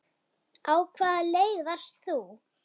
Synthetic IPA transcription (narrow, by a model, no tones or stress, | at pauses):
awkʰvaːðlejɣðast̪θu